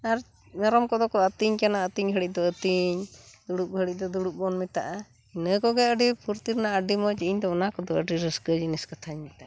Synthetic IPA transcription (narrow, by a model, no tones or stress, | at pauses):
aɾ | naɾɔmkɔd̪ɔkɔət̪iɲkanaət̪iɲɦəɽic̚ˀd̪ɔət̪iɲd̪uɽup̚əɽic̚ˀd̪ɔd̪uɽuk̚bɔnmɛt̪aʔa | inəkɔɡɛjəɖipʰuɾt̪iɾnaəɖimɔd͡ʒiiɲd̪ɔɔnakɔd̪ɔəɖiɾəskəd͡ʒiniskat̪ʰaɲmɛt̪aʔa